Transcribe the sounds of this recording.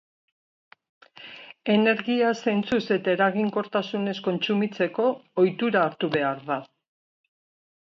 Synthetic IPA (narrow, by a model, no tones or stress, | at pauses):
e̞ne̞ɾɣiase̞nt͡suse̞t̪aeɾaɣiŋko̞ɾt̪asune̞sko̞nt͡sumit͡se̞ko̞ːjt̪uɾaːɾt̪uβe̞aɾða